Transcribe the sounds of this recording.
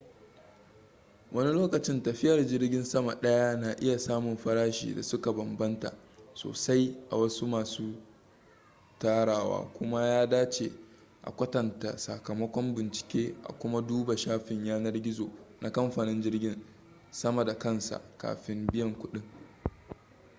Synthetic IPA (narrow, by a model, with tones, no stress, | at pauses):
wʔɐ˦ni˦loː˦kɐ˨t͡ʃɪ˦ntɐ˨ɸɪ˦jɐ˨rd͡ʒɪ˦rɡʲɪ˦nsɐ˦ma˨ɗɐ˦ja˦na˨ʔɪ˦ja˨saː˦mʊ˨mɸɐ˦ɽaː˦ʃḭː˨da̰˨sʊ˦ka˨bɐ˨mbɐ˦nta̰˨ʔ | so̰ː˨sa˦jʔa̰˨wɐ˦su˦maː˨suː˦ | taː˦ɽaː˨wa̰ː˦kʷʊ˦ma˦jaː˦daː˦t͡ʃḛ˨ | ʔa̰˨kʷɐ˦tɐ˨nta̰˨sa˨kɐ˨mɐ˦kʷɔ˦mbɪ˨nt͡ʃɪ̥˨kʲeː˦ʔa̰˨kʷʊ˦ma˦duː˦ba˨ʃaː˦ɸɪ˨ɲjaː˦nɐ˦rɡʲɪ˦zo̰ː˨nʔa˨kɐ˦mɸaː˨nɪ˦nd͡ʒɪ˦rɡʲɪ˦n | sɐ˦ma˨da˨kɐ˦nsa̰˨ka̰ː˨ɸɪ˦mbɪ˦jɐ˨ŋkʷʊ˦ɗɪ˦ŋ